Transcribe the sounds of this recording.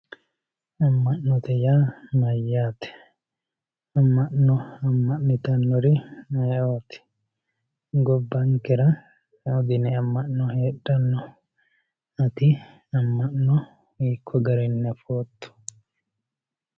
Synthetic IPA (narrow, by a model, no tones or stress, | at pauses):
ɐmːɐʔnːɔt̪ɛjaːmɐjːaːt̪ɛ̥ | ɐmːɐʔnɔɐmːɐʔnɪt̪ɐnːɔɾɪɐjoːt̪ɪ̥ | ɡɔbːɐŋkːɛɾɐ | ɔd̪ɪnɛɐmːɐʔːɔheːɗːɐnːɔ | ɐt̪ɪ | ɐmːɐʔɔ | iːkʰːɔɡɐɾɛnːɐfoːt̪ːʊ̥